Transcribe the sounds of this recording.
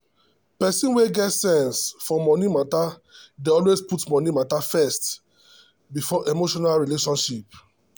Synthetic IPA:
pɛsĩnweɡɛtsɛ̃nsfɔmɔnĩmatadeɔlwesputmɔ̃nimatafɛst | bifɔʔemoʃɔnalɹileʃɔ̃nʃip̚

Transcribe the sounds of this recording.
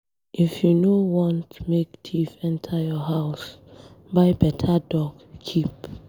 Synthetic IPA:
ʔifjunowɔ̃ntmektʰifɛ̃ntʰəjɔɦaʊsbaɪbɛtʰədɔɡkʰip

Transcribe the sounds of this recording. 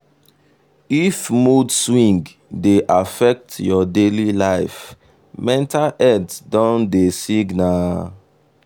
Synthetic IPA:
ifmudswĩŋɡ | deʔafɛk̚tjɔdelilaɪf | mɛ̃ntalʔɛdsdɔ̃ndesiɡna

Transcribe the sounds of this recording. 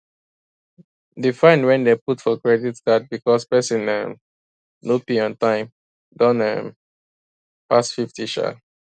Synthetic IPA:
difãɪ̃ndwɛ̃ndeputfɔkɹɛditdat̚bikɔspɛsĩnɛ̃m | nopiɔ̃ntãɪ̃m | dɔ̃nɛm | pasfiftiʃa̰

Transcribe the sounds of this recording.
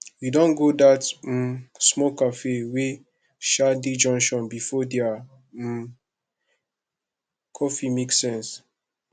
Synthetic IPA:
judɔ̃nɡodat̩ | smɔkafewe | ʃadid͡ʒɔ̃ŋʃɔ̃nbifɔdɛa | kʰɔfimeksɛ̃ns

